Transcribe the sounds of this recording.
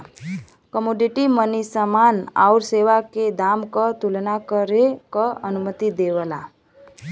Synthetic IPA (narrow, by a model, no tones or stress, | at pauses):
kəmoɖiʈimənisəmana̰ʊɾseʋaked̪amkət̪ulnakəɾekəənumət̪id̪eʋəla